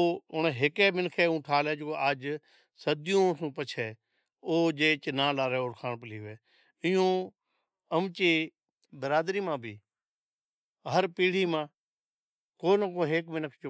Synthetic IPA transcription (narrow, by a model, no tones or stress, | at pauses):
oʊɳɦɪkɛːmɪnkʰeːũːʈʰaːlɛːd͡ʒokoʔaːd͡ʒ | səd̪ɪjõːsũːpət͡ʃʰɛː | oːd͡ʒeːt͡ʃnãːlaːɾɛːoːɾkʰaːɳpəliːʋeː | ɪjõː | əmt͡ʃeː | bəɾaːd̪ɾiːmãːbʱiː | ɦəɾpiːɽ̤iːmãː | koːnəkoːɦeːkmɪnəkʰt͡ʃo